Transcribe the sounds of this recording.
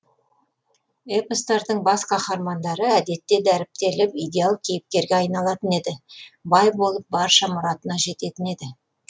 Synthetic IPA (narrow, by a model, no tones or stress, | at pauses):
epəst̪ɑɾd̪əɴbɑsqʰɑχɑɾmɑnd̪ɑɾəæd̪e̞t̪ːe̞d̪æɾɪp̚t̪e̞lɪpijd̪ʲe̞alˠkʲʰejɪp̚t̪e̞ɾɡʲeɑjnɑlˠɑt̪əne̞d̪ɪbɑjbo̞lˠəp̚bɑɾʃɑmʊɾɑt̪ənɑʒe̞t̪e̞t̪ɪne̞d̪ɪ